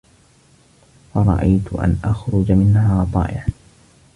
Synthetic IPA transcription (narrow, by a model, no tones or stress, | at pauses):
fɑɾˤɑ̰ʔajt̪ʊ̰ʔa̰nʔaxɾʊd͡ʒmɪnhaːt̪ˤɑ̰ːʔɪʕ